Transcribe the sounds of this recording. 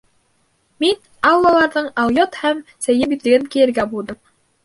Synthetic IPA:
min | ɑwlːˠɑlˠɑɾðɤɴɑwjot̪hæmsæjɘbit̪ɘ̆ɡɘŋkijɘ̆ɾɡæbulˠd̪ɤm

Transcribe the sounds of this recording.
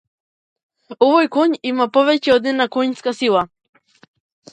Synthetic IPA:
ɔvɔjkɔɲimapɔvɛcɛɔd̪nɛnakɔɲskasilˠa

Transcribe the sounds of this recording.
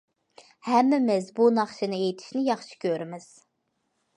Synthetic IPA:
hɛmːɪmɪzbunɑχʃɨnɨejit̪ʰi̥ʃnɪjɑχʃi̥kʲʰøɾɪmɪz̥

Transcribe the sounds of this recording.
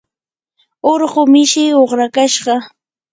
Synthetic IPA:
oɾɢʊmɪʃɪoχɾakaʃɢɑ

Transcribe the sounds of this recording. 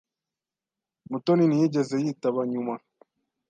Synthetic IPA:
mutoninijiɟezejiːtaβaɲuma

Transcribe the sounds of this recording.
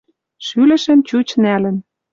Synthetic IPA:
ʃylɘ̆ʃə̆nt͡ɕut͡ɕnælɘ̆n

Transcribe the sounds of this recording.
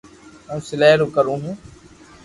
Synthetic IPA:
ũːsɪleːɾuːkəɾũːɦũː

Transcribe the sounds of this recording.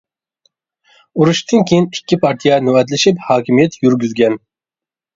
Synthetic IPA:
uɾuʃt̪ɨnkʲʰejinikʲːipʰɑɾt̪ʰijɛnuwɛt̪lɪʃiphɑːkʲʰimijɛt̪jyɾɡʲyzɡʲɛn

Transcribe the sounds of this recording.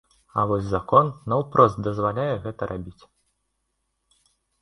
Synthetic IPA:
ɐ̰vɔsʲzakɔnːɐwpɾɔst̪̚d̪ɐzvalʲajɛɣɛt̪ɐɾʔabʲit͡sʲ

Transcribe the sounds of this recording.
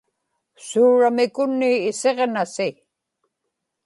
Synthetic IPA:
suːɻamɪkʊnːɪːse̞ʁnasɪ

